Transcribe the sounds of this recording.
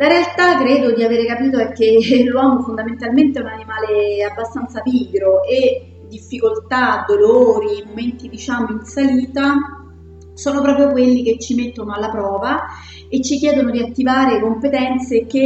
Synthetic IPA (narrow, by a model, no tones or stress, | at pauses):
laɾealt̪akːɾeːd̪od̪iaveːɾekapiːt̪oɛkːelːwɔːmofond̪ament̪alment̪eɛunanimaːleabːast̪ant̪saviːɡɾoe | d̪ifːikolt̪ad̪oloːɾimoment̪id̪it͡ʃamoinsaliːt̪a | soːnopɾɔːpɾjokwelːik̟et͡ʃːimet̪ːonoalːapɾɔːva | et͡ʃːik̬jɛːd̪onod̪iat̪ːivaːɾekompet̪ɛnt̪seke